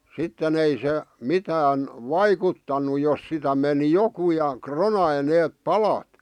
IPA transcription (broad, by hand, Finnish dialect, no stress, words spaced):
sitːen ei se mitæːn ʋɑikutːɑnu jos sitæ meni joku jɑ kronɑi neːp pɑlɑt